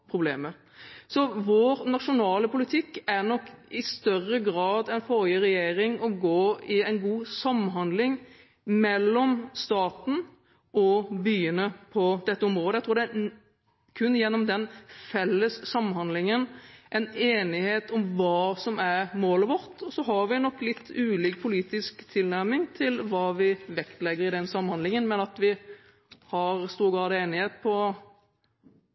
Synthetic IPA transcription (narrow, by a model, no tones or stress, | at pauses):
pʰɾʊbleːmə | sɔʋoːɾnɑʂʊnɑːləpʊlɪt̪ʰɪkːæɾnɔkːɪst̪œrəɡɾɑːd̪ɛɪnfɔɾjəɾɛjeːɾɪŋɔɡoːɪæɪnɡuːsɑmːnɦhɑnd̪lɪŋ | mɛlːɔmst̪ɑːt̪n̩ | ʔɔbyːənəpʰɔd̪ɛt̪ːəɔmɾoːd̪əɛɪt̪ɾuːɾd̪ɛæ | kʰʉnːjɛnːɔmd̪ɛnfɛlːəsːɑmːhɑnd̪lɪŋənʔɛneːnɪheːt̪ɔmʋɑːsɔmæɾmoːləʋɔɾt̪ɔsɔɦɑɾʋɪnːɔkːlɪt̪ʰːʉːliːk̚pʰʊliːt̪ɪskt̪ʰɪlnæɾmɪŋt̪ʰɪlʋɑːʋɪʋɛkt̪lɛɡːəɾɪd̪ɛnsɑmːhɑnlɪŋənmɛnɑt̪ʋɪ | hɑɾst̪uːɾɡɑːd̪ɑeːnɪheːt̪̚pʰɔ